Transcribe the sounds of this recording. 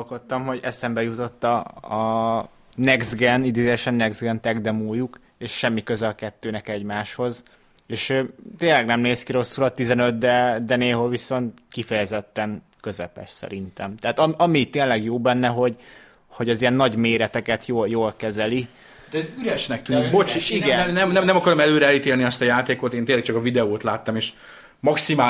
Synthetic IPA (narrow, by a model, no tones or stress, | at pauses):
olkot̪ːɒmɦo̞ɟɛ̰sɛmbɛjut̪o̞t̪ːɒɒ | nɛɡzɡɛnid̪eːzɛjɛʃɛnːɛɡzɡɛnt̪ɛɡd̪ɛmoːjuk | eːʃʃɛmːikø̞zɛlkɛt̪ːøːnɛkɛɟmaːʃho̞z | eːʃøt̪eːnlɛɡnɛmneːskiɾo̞sːulɒt̪ːizɛnø̞t̪d̪ɛd̪ɛneːlɦolʋiso̞nt̪ | kifɛjɛzɛt̪ːɛŋ | kø̞zɛpɛ̰ʃsɛ̰ɾint̪ɛmt̪ɛɦat̪ɒmʔɒmit̪ːeːnlɛɡjoːbɛnːɛɦo̞ɟ | ho̞ɟɒzijɛnːɒɟmeːɾɛt̪ɛkɛt̪joːljoːlkɛzɛli | d̪ɛyɾɛʃnɛk̚t̪ynibot͡ʃiiɡɛɛmnɛmnɛmnɛmɒkɒɾomɛløːɾɛɛlit̪eːlniɛst̪ɒjaːt̪eːkot̪eːnt̪eːlɛk̚t͡ʃɒkɒvid̪ɛoːt̪laːt̪ːɒmeːʃ | mɒksimaː